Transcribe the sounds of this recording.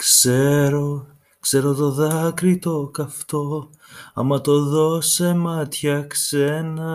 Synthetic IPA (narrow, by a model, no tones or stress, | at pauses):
kse̞ɾo̞ | kse̞ɾo̞t̪o̞ðɐkɾit̪o̞kɐft̪o̞ | ɐ̰mɐt̪o̞ðo̞semɐt̪çɐkse̞nɐ